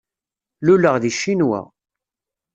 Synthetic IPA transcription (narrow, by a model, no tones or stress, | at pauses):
luləʁðiʃːinwæ̰